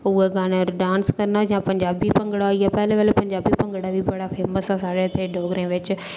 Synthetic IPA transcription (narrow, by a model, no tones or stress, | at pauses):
ʊːeːɡaːnəɾɖãːnskəɾnaːd͡ʒãːpəɲd͡ʒaːbiːpəŋɡəɽaiaːpɛːleːʋəlːpəɲd͡ʒaːbiːpə̃ŋɡɽaːʋiːbəɽaːpʰeːməsaːsaːɾeːt̪ʰeːɖoːɡɾẽːʋɪt͡ʃ